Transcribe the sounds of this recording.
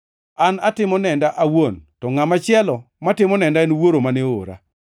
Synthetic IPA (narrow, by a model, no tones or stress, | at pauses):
anatɪmɔnɛndaʔawontɔŋamat͡ʃɪɛlɔ | matɪmɔnɛndaenwoɾomanɪoɾa̰